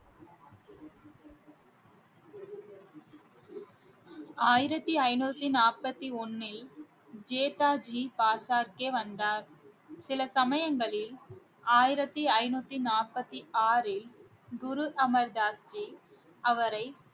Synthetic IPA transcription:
aːjɪɾɐt̪ːiɐɪnuːt̪ːinaːrpɐt̪ːiɔnːɪl | d͡ʒeːt̪aːd͡ʒiːpaːsaːɾkeʋɐnd̪aːɾ | sɪlɐsɐmɐjɐŋɡɐɭɪl | aːjɪɾɐt̪ːiɐɪnuːt̪ːinaːrpɐt̪ːiaːɾɪl | ɡʊɾʊʔɐmɐɾd̪aːst͡ʃi | ɐʋɐɾɐɪ

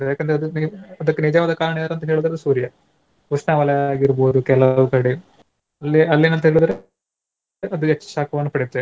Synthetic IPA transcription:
jaːkːɐnd̪ɾeɐd̪uniɐd̪ɐkːenid͡ʒaːʋɐd̪ɐkaːɾɐɳijɐɾɐnt̪ɐɦeːɭud̪ɾɐd̪usuːɾijɐ | usnaːʋɐlɐjaːɡiɾuboːd̪ukɛlɐʋukɐɽi | ɐlːiɐlːinɐnt̪ɐɦeːɭud̪ɐɾe | ɐd̪uet͡ʃːɐ̥ʃaːkʰɐʋɐnːupɐɽit̪ːe

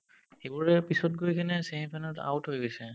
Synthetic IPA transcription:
xejbuɹɛpisɔt̚ɡojkʰanɛseɦĩpʰanɔta̰wtɦojɡojsɛ

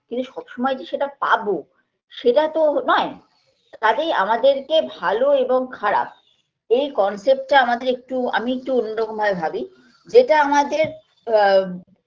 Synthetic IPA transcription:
kint̪uʃɔbʃɔmɔed͡ʑeʃeʈapa̰bo | ʃeʈat̪onɔe | t̪at̪ejamad̪eɾkebʱaloeboŋkʰaɾa̰p̚ | ejkɔnsep̚ʈʈaamad̪eɾek̚ʈua̰miek̚ʈuonːoɾɔkomʱabebʱabi | d͡ʑeʈaamad̪eɾ

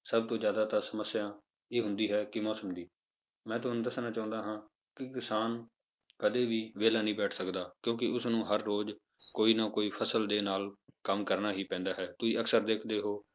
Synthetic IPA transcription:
səb̚t̪õːd͡ʒjaːd̪aːt̪asəməsːɪjãː | eːɦʊ̃nd̪iːɦɛːkɪmɔːsəmd̪iː | mɛ̃ːt̪ʊɦanũːd̪əsnaːt͡ʃãːʊ̃nd̪aːɦãː | kɪkɪsaːn | kəd̪eːʋiːʋeːlaːnĩːbɛːʈʰsəkd̪aːkjõːkɪʊsnũːɦəɾːoːd͡ʒ | koːiːnaːkoːiːpʰəsəld̪eːnaːlkəmkəɾnaːɦiːpɛ̃ːnd̪aːɦɛːt̪ʊiːəksəɾd̪eːkʰd̪eːɦoː

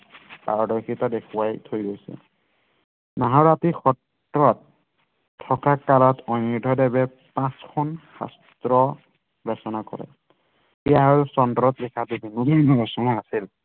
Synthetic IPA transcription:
pa̰ɹɔdɔjkitadekʰuwajtʰojɡojsɛ̰ | maɦaɹatixɔt | ɹɔtʰː | ɔkakalɔtʰɔnidʱɔdɛbɛ | pãskʰɔnxa̰st̪ɹɔ | bɛsɔnakɔ̰ɹɛ̰ | ɛjaɦɔɹsɔndɔɾɔtlikʰabubʱinubɔnɔbɔsɔŋaasil

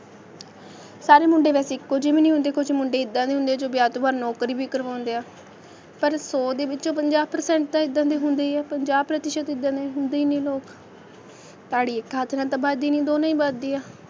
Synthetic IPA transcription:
saːɾeːmʊɳɖeːʋɛːseɪkːoːd͡ʒɪʋẽːnĩːɦʊ̃nd̪eːkʰʊt͡ʃmʊɳɖeːɪd̪ːãːd̪eːɦʊnd̪eːɛːd͡ʒoːbjaːt̪oːbəɾnɔːkɾiːbiːkəɾʋaːʊ̃nd̪eːaː | pəɾsoːd̪eːbɪt͡ʃd͡ʒõːpəɲd͡ʒaːbpəɾsɛ̃ːɳʈ̚d̪ãːɪd̪ːãːd̪eːɦʊnd̪eːɛːpəɲd͡ʒaːbpɾət̪ɪʃət̪ɪd̪ːãːd̪eːɦʊnd̪eiːnẽːloːk | t̪aːɽiːɪkaːt̪ʰnãːt̪ãːbaːd̪iːnĩːd̪oːnãːĩːbad̪iːaː

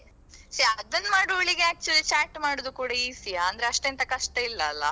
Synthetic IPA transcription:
siɐd̪ɐnːmaːɽuɐɭiɡe̞æːk̚t͡ʃuɐlit͡ʃaːʈmaːɽod̪ukuːɽɐiːsijaɐnd̪ɐɾeɐʂʈeːnt̪ɐkɐʂʈeilːɐːlːɐ̰

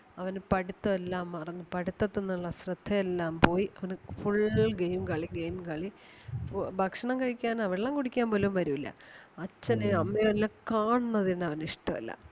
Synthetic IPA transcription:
ɐʋɐnpɐɽit̪ːɐʋelːaːmːɐrɐɲːɨpɐɽit̪ːɐt̪ːenːuuɭːɐsrɨd̪ʱːɐjelːaːmpo̞ːjiɐʋɐnfuɭːlɡejmkɐɭiɡejmkɐɭi | fbʱɐkʂɐɳɐmkɐɻikʲːaːnɐʋɐɽeɭːɐmkuɽikʲːaːmpoːlumʋɐɾuʋilːɐ̰ɐt͡ɕːɐneɐmːejɐlːɐkaːɳunːɐðinɐʋɐniʂʈːɐʋɐ̰lːɐ̰

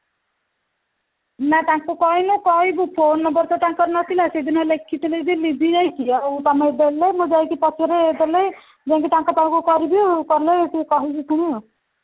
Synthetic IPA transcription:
nat̪ãŋkukɔinukɔɦibupʰonɔbɔɾt̪t̪aŋkɔɾnɔt̪ʰilased̪inɔlekʰːit̪ileb̪ilibʱid͡ʒajkiawt̪amɔed̪elemud͡ʒajkipɔt͡ʃʰɔɾeːd̪ele | d͡ʒãŋkit̪ãŋkɔt̪amkukɔɾibikɔɾlet̪ikɔɦit͡ʃʰit̪ʰɔɽ̃i

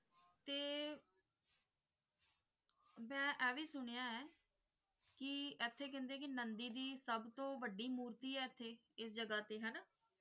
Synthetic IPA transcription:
t̪eː | mɛ̃ːʔɛːʋiːsʊɳ̃ejaːɛː | kɪɛːt̪ʰːeːk̬ɛ̃ːnd̪eːk̬ɪnənd̪iːd̪iːsəbt̪õːʋəɖːiːmuːɾt̪iːɛːɛt̪ʰːeː | ɪsd͡ʒəɡaːt̪eːɦɛːnaː

